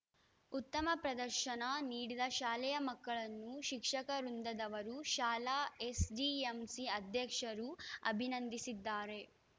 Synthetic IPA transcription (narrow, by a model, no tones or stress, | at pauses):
ut̪ːɐmɐpɾɐd̪ɐɾʃɐnɐniːɽid̪ɐʃaːlɛjɐmɐkːɐɭɐnːuʃikʂɐkɐɾund̪ɐd̪ɐʋɐɾuʃaːlaːesd͡ʒiemsiɐd̪ʱjɐkʂɐɾuɐ̰bʱinɐnd̪isid̪ːaːɾe̞